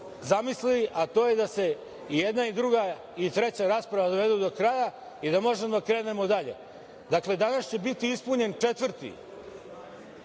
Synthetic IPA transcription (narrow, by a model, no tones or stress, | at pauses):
zamisliliʔat̪o̞ːje̞d̪ase̞ | ijed̪naid̪ɾuɡa | it̪ɾe̞t͡ɕaɾaːspɾaʋad̪oʋe̞d̪ud̪o̞kɾaja | id̪amo̞ʒemod̪akɾeːne̞mod̪aʎe̞̰ | d̪akle̞d̪anast͡ɕe̞bit̪iispuɲe̞nt͡ʂe̞t̪ʋr̩t̪ḭ